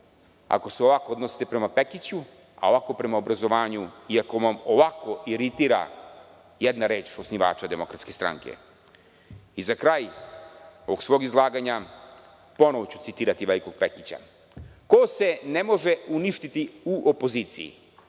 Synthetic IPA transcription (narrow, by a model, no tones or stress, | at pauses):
a̰ko̞se̞o̞ʋako̞od̪nosi̥t̪epɾe̞mape̞kit͡ɕu | a̰oʋako̞pɾe̞maobɾazo̞ʋaːɲuiako̞ʋamoʋako̞ʔiɾit̪iɾa̰ | jed̪naɾe̞ːt͡ʃo̞sniʋa̰ːt͡ʃad̪e̞mo̞kɾat̪ske̞st̪ɾa̰ŋke̞̰ | izakɾaːj | oʋoɡsʋo̞ːɡizlˠaːɡaɲa | po̞noʋot͡ɕu̥t̪sit̪iːɾat̪iʋe̞liko̞ɡ̚pe̞kit͡ɕa̰ | kose̞ne̞mo̞ʒeuniʃt̪it̪iuʔopo̞ziːt̪sijḭ